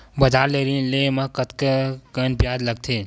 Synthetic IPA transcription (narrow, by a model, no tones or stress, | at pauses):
bɐd͡ʒaːɾleɾilemɐkət̪kekənpjaːd͡ʒləɡ̚t̪ʰe